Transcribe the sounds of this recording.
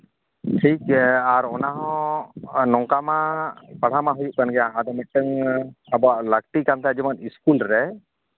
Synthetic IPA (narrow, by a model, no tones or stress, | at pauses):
ʈʰikɛaɾɔnaɦɔ̃ | nɔŋkamapaɽ̤amaɦujuʔkanɡɛjaad̪ɔmɛʈəŋabɔaʔlək̚ʈ̪ikant̪ʰad͡ʒɛmaniskulɾɛ